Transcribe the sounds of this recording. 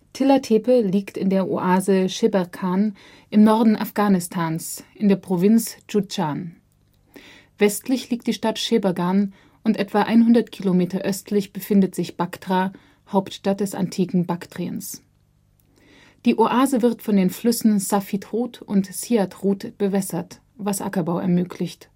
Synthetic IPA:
tʰɪlatʰeːpəliːktɪndeːɐʔo̰ʔaːzəʃebakʰaːn | ʔɪmnɔɐdn̩ʔa̰fɡ̥aːnɪstʰaːnsʔɪndeːɐpʁ̥ovɪnt͡sd͡ʒud͡ʒan | vɛstʰlɪçliːk̚td̥iːʃtatʃebaɡan | ʔʊntʔɛtv̥aʔaɪnhʊndɐtkʰilomeːtɐʔœstʰlɪçb̥əfɪndətz̥ɪçb̥aktʁa | haʊptʃtat̚d̥ɛsa̰ntʰiːkŋ̩baktʁ̥iə̰ns | d̥iːʔoʔaːzəvɪʁtfɔndeːnflʏsn̩safitʁuːtʊ̰ntsiːatʁuːtb̥əvɛsɐt | vasʔa̰kɐbaʊʔɛ̰ɐmøːkʰlɪçt

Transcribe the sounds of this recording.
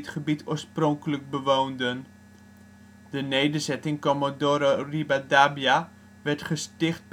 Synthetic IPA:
tχəbitʰoːsprɔŋkələk̚bəʋoːndən | d̥ənejdərzɛtɪŋkɔmadoɾoribadabja | ʋɛɹtχəstɪχt̚b

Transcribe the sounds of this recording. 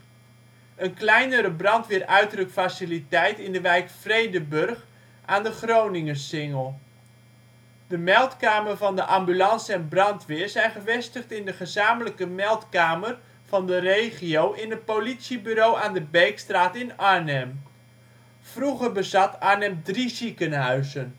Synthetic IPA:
ənklɛjnəɾəbrɑntʋɪːrʔœɥtrəkfasɪlitɛjtɪndəʋɛjkfrejdəbɵrχ | aːndəχrownɪŋəsɪŋəlˠ | dəmɛlˠtkaːmərvɑndəʔɑmbylɑnsɛnbrɑntʋɪːɹzɛjnχəvɛstəχtɪndəχəzaːmələkəmɛlˠtkaːmər | v̥ɑndərejχiowʔɪnət̚politsibyɾowʔaːndəbɛjkstraːtɪnɑɹnɛm | v̥ruχərbəzɑtaɹnɛmdrizikənɦœɥzən

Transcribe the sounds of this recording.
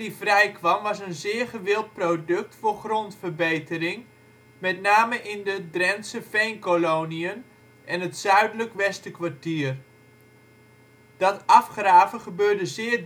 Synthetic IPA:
ifrɛjkʋɑmʋɑsənzɪːɹχəʋɪlˠt̚prodɵk̚tfʊːɹχrontfərbejtərɪŋ | mɛtnaːməʔɪndədrɛnsəfejnkolowniən | ʔɛnətsœɥdələkʋɛstəkʋaɹtiːr | d̥ɑtɑfχraːvəχəbøːɹdəzɪː

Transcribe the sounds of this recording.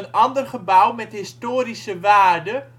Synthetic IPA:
ənɑndərχəbawmɛtɦɪstoːɾisəʋaːrdə

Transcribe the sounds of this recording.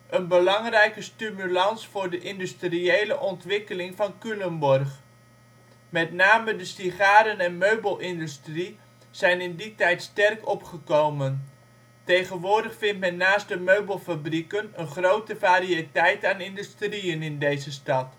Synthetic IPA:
ʔənbəlɑŋrɛjkəstymylɑnsfʊːrdəʔɪndystriejləʔɔntʋɪkəlɪŋvɑnkylənbɔrχ | mɛtnaːmədəsiχaːɾənɛnmøɥbəlˠʔɪndystri | z̥ɛjnɪnditɛjtstɛrkɔpχəkowmən | tejχənʋʊːɹdəχfɪntmɛnːaːstdəmøɥbəlˠfabrikənənχrowtəvaːɾiətɛjtaːnɪndystriənɪndejzəstɑt

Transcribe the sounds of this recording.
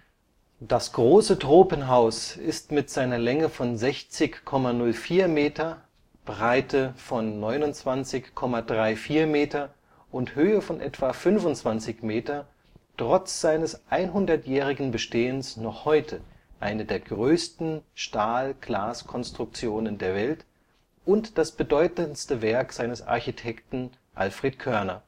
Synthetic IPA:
d̥asɡ̥ʁoːsətʁ̥oːpənɦaʊsɪstmɪtz̥aɪnɐlɛŋəfɔnzɛçt͡sɪçkʰːɔmanʊlfiːɐmeːtɐ | b̥ʁaɪtʰəfɔnːɔʏnʊnt͡sv̥ant͡sɪçkʰːɔmadʁaɪfiːɐmeːtɐ | ʔʊnthøːəfɔnʔɛ̰tv̥afʏnvʊnt͡sv̥ant͡sɪçmeːtɐ | tʁ̥ɔt͡sz̥aɪnəsʔaɪnɦʊndɐtjɛːʁɪɡŋ̩bəʃteːənsnɔχhɔʏtʰə | ʔaɪnədeːɐɡʁøːstn̩ʃtaːlɡ̥laːskʰɔnstʁ̥ʊk̚t͡sjoːnəndeːɐvɛlt | ʔʊntd̥asb̥ədɔʏtənstəvɛɐkz̥aɪnəsʔa̰ɐçitʰɛktn̩ | ʔa̰lfʁ̥eːt̚kʰœɐnɐ̰

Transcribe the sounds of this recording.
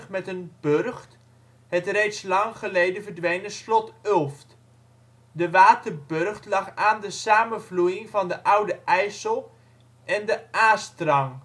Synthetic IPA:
χmɛtənb̥ørχt | hətrejtslɑŋχəlejdəvərdʋejnəslɔtølˠft | dəʋaːtərbørχtlɑχaːndəsaːmənvlujɪŋvɑndəʔʌwdəʔɛjsəlˠ | ʔɛndəʔaːstrɑŋ

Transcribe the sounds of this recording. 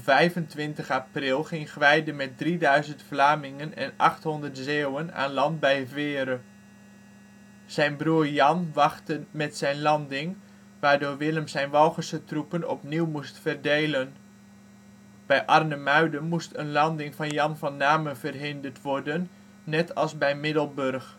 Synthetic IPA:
vɛjvəntʋɪntəχaprɪlˠχɪŋχʋɛjdəmɛt̚dridœɥzəntflaːmɪŋənɛ̰nɑ̰χtɦɔndərtzewəna̰ːnlɑndbɛjvɪːɾə | z̥ɛjnbruːrjɑnʋɑχtəmɛtsɛjnlɑndɪŋ | ʋaːɹdʊːɹʋɪləmsɛjnʋɑlˠχəsətrupənɔ̰pniwmustfərdejlən | b̥ɛjʔɑrnəmœɥdəmustənlɑndɪŋvɑnjɑnvɑnːaːməvərɦɪndərtʋɔɹdənː | ɛtɑlˠzbɛjmɪdəlˠbørχ

